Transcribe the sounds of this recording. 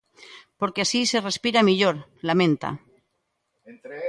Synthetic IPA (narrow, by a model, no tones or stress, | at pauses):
po̞ɾkeasise̞re̞spiɾamiʎoɾlamẽ̞nt̪a̰